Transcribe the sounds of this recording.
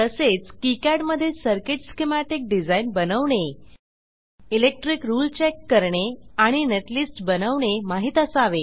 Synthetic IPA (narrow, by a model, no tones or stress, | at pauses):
t̪əset͡skikaɽməd̪ʱːjesəɾkeʈskemaʈik̚ɖid͡zainbənəʋɳe | ilek̚ʈɾikɾuːlt͡ɕɛkːəɾɳeaɽ̃ineʈlisʈbənəʋɳemaɦit̪asaʋe